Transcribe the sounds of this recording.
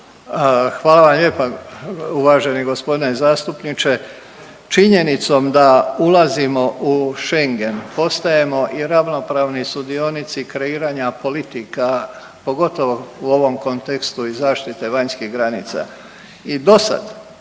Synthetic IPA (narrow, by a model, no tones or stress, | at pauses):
xʋaːlˠaʋamʎe̞ːpauʋaːʒe̞niɡo̞spo̞d̪inezaːst̪upnit͡ʃe̞ | t͡ʃiɲe̞nit̪so̞md̪aulazimo̞ʔuʃe̞ŋɡe̞npo̞st̪aje̞mo̞ʔiɾaʋno̞pɾaːʋnisud̪io̞nit̪sikɾe̞iːɾaɲapo̞lit̪ika | po̞ɡo̞t̪o̞ʋouo̞ʋo̞mko̞nt̪e̞kst̪uizaːʃt̪it̪e̞ʋaɲskiɦɡɾanḭːt̪sa̰ | id̪o̞sa̰d̪